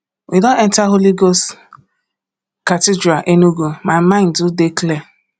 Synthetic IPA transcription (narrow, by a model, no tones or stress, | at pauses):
widõnɛntaɦoliɡost | katɪdɾaʔenuɡumaɪmãɪ̃ndʊdekle